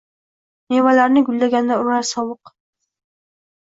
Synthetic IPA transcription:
nevalaɾnɪɡʲʊlːaɡʲand̪aʊɾaɾsɒwɤq

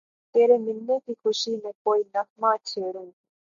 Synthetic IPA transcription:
t̪eːɾemɪlːekikʰʊʃimẽkoːinɐk̚mãt͡ʃʰeːɽũː

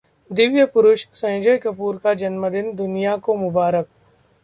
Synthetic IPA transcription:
d̪ɪʋjəpʊɾʊʃsɐ̃ːd͡ʒəjkɐpuːɾkad͡ʒɐnməd̪ɪnd̪ʊnijakomʊbaːɾək̚

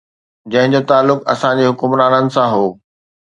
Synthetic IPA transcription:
d͡ʑɐ̃ɦɪ̃ɲd͡ʑot̪aːlːʊkɐ̰sãd͡ʑeɦʊkʊmɾaːnənɪ̆sãɦoː

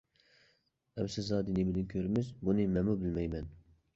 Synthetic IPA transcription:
ɛmsɪzɑːd̪inɪbɪd̪ɪnkʲʰøɾɪmɪzbunɪmɛmubɪlmɛjmɛn

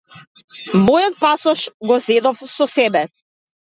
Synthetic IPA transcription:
mɔjɔt̪̚pasɔʃɡɔzɛd̪ɔfsɔsɛbɛ

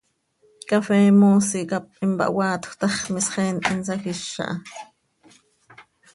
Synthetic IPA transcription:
kɑfɛːmoːsikɑp̚ːimbɑ̰ʔwɑːt̪xʷt̪ɑχmisχɛːnt̪ɪnsɑxiʃːɑ̰ʔɑ

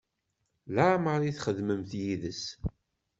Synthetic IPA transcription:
laʕməɾˤiθχəðməmθjiðəs

